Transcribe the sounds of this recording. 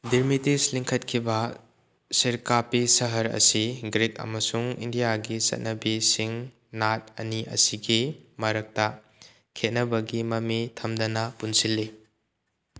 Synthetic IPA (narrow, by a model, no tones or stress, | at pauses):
diɾmitisliŋkʰɐt̚kʰibɐ | siɾkapisɐɦɐɾɐ̰siɡɾitɐ̰mɐsuŋḭndijaɡisɐ̰t̚nɐbisiŋ | nat̚ɐ̰niʔɐ̰siɡimɐɾɐk̚tɐ | kʰet̚nɐbɐɡimɐmitʰɐmdɐnɐpunsilːi